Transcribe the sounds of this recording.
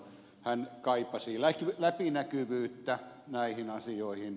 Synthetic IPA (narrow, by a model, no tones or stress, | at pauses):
hænkɑipɑsilækylæpinækyʋyːt̪ːænæihinɑsioihin